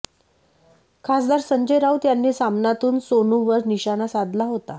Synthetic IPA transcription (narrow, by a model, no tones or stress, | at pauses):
kʰasd̪aɾsəɲd͡ʑəjɾawt̪janːiːsamnat̪uːnsonuʋəɾniɕanasad̪laɦot̪a